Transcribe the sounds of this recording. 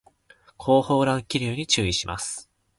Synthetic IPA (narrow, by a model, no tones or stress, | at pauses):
kʰo̞ːho̞ːɾãŋkʲiɾʲɯːɲ̟it͡ɕɨːiɕimʔa̰sɨ̥